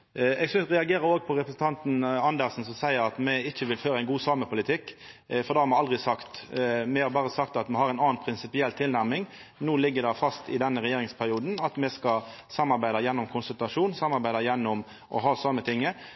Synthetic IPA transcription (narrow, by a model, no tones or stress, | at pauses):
ɛɡsʏʁɛɑɡeːɾəɾoːɡpʰɔɾɛpɾəsn̩t̪ɑnt̪n̩ɑnd̪əɾsn̩sɔmsæɪəɾɑt̪mɛɪçːəʋɪlføːɾəæɪɡuːsɑːməpʰʊlɪt̪ʰɪkːfɔɾd̪ɑːhɑɾmɛɑld̪ʁɪsɑkt̪mɛhɑɾbɑːʁəsɑkt̪ɑt̪mɛhɑʁæɪnɑːnpʰɾɪnsɪpɪɛlːt̪ʰɪlnæɾmɪŋ | nuːlɪɡːəd̪ɛfɑst̪ɪ̰d̪ɛnːəɾɛjeːɾɪŋspʰæʁɪuːd̪n̩ɑt̪mɛskɑsɑmːɑɾbæɪd̪ɑjɛnːʊmkʰʊnsʉlt̪ɑʂuːnsɑmːɑɾbæɪd̪ɑjɛnːɔm | ʔɔ̰ɦɑːsɑmːət̪ʰɪŋːə